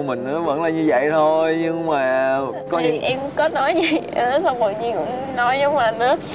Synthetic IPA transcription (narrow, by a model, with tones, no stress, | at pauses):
mï˨˩ŋ̟ʔəː˨˦və̰˧˥nlaː˨˩ɲɨ˧və̰˧˨jt̪ʰo˧jɲɨ˧ŋmaː˨˩ | kɔ˨˦ɲ˨˩ʔɛ˧m˧kɔ˨˦nɔ˨˦jzi˨˩ʔəː˧˩˦sa˧wŋ͡mmə˨˩ɲi˧ənkʊ̰˧˥ŋ͡m | nɔ˨˦jzə˨˦wŋ͡mlaː˨˩nɨ̰˧˥ə